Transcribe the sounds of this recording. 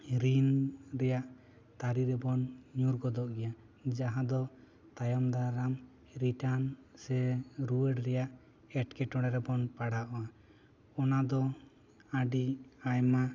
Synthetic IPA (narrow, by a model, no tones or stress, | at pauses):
ɾinɾɛjaʔ | t̪aɾiɾɛbɔnɲuɾɡɔd̪ɔʔɡɛja | d͡ʒaɦãd̪ɔ | t̪ajɔmd̪aɾam | ɾiʈansɛɾuwɛɖɾɛjaʔ | ɛʈkɛʈɔɽɛɾɛbɔnpaɽaʔɔa | ɔnad̪ɔ | aɖiajma